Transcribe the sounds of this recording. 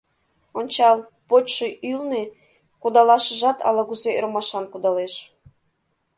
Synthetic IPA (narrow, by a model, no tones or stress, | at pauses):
onʲt͡ɕɑlˠ | potʲʃoʔylne | kud̪ɑlɑʃəʒɑt̪ʰɑ̰lˠɑɣuzeɾmɑʃɑnkud̪ɑleʃ